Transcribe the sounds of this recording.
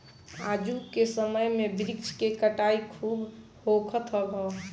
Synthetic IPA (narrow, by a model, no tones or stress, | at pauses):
ad͡ʒukesəməjmebɾikt͡ʃʰkekəʈaikʰuːb | hokʰət̪ɦəbɔ